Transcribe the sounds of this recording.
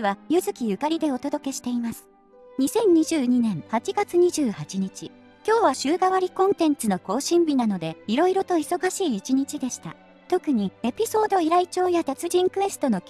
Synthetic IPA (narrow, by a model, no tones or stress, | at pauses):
βajɯ̟zɨkʲijɯ̟kaɾʲid̪e̞o̞t̪o̞d̪o̞ke̞ɕi̥t̪e̞imasɨ̥ | ɲ̟isẽ̞ɲ̟ɲiʑɨːɲ̟inẽ̞ɴ̃hat͡ɕiɡat͡sɨɲ̟iʑɨːhat͡ɕiɲ̟it͡ɕi | kʲo̞ːβaɕɨːɡaβaɾʲikõ̞nt̪ẽ̞nt͡sɨno̞ko̞ːɕĩmbʲinano̞d̪e̞iɾo̞iɾo̞t̪o̞iso̞ɡaɕiːt͡ɕiɲ̟it͡ɕid̪e̞ɕi̥t̪a̰ | t̪o̞kɯ̟ɲ̟ie̞pʲiso̞ːd̪o̞iɾait͡ɕo̞ːjat̪et͡sɨʑĩŋkɯ̟βe̞sɨ̥t̪o̞no̞kʲ